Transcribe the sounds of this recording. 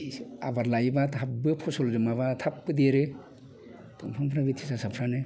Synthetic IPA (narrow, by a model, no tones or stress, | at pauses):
abaɾlajbatʰap̚bɯpʰɔsɔlzɯmaβatʰap̚bɯdeɾɯ | tɔmpʰɔmpʰɾabitʰisasapʰɾanɯ